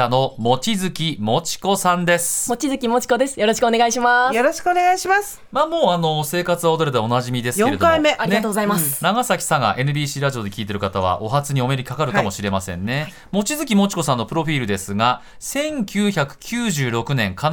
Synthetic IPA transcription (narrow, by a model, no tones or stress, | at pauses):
ano̞mo̞t͡ɕizɨkʲimo̞t͡ɕi̥ko̞sãnd̪e̞sɨ̥mo̞t͡ɕizɨkʲimo̞t͡ɕi̥ko̞d̪e̞sɨ̥jo̞ɾo̞ɕi̥kɯone̞ɡaiɕimajo̞ɾoɕi̥kɯone̞ɡaiɕimasɨ̥maːmo̞ːano̞se̞ːkat͡sɨβaod̪o̞ɾet̪ao̞naʑimʲid̪e̞sɨjokẽɾed̪kaime̞ʔaɾiɡatoːɡozaimasnaɡasakʲi̥saŋa̰ʔe̞nɯ̟bʲiːɕiːɾaʑio̞d̪e̞kʲiːt̪e̞ɾɯ̟kat̪aβ̞a̰ʔo̞ɦat͡sɨɲ̟io̞me̞ɾʲiikakaɾɯ̟kamo̞ɕiɾe̞masẽ̞̰nːe̞ | mo̞t͡ɕizɨkʲimo̞t͡ɕi̥ko̞sãnːo̞pɯ̟ɾo̞ɸʲiːɾɯ̟d̪e̞sɨɡa | sẽ̞ŋkʲɨːçakɯ̟̥kʲʰɨːʑɨːɾo̞kɯ̟nẽ̞ŋkʰan